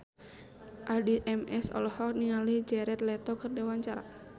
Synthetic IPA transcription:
ʔadiʔɛmɛsɔ̰lɔhɔkniŋalihd͡ʒɛɾɛt̪̚lɛt̪ɔkɨrdɛwaɲt͡ʃaɾa̰

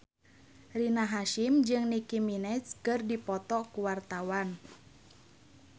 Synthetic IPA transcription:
rinaɦaʃimd͡ʒɨŋnikiminɛskɨrdipɔt̪ɔkuwart̪awan

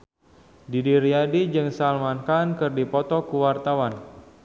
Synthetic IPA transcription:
didiɾiadid͡ʒɨŋsalmankankɨrdipɔt̪ɔkuwart̪awan

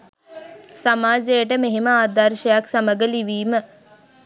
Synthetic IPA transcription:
samaːzejəʈəmeɦeməaːd̪arʃəjaksaməɡəliʋiːmə

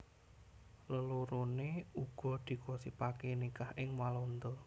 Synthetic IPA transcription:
ləloɾoneuɡ̥ɔ̤d̪̥i̤kosipakenikahʔɪŋmalont̪o

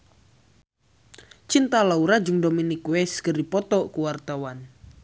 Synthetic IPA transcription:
t͡ʃint̪alauɾad͡ʒʊŋdominikwɛskərdipɔt̪ɔʔkuwart̪awan

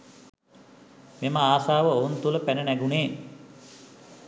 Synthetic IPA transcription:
meməaːsaːʋəount̪uləpænənæɡuneː

